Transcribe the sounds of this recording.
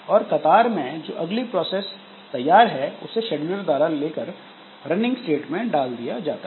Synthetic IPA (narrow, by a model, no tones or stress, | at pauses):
ɔːɾkɐt̪aːɾmẽd͡ʒo̰ːʔɐɡlipɾɔːseːs | t̪ɐjːaːɾɦɛʊ̰seʃɛɖʊləɾd̪waːɾaleːkəɾ | ɾɐnɪ̃ŋɡsʈeːʈmẽɖaːld̪ijad͡ʒaːt̪a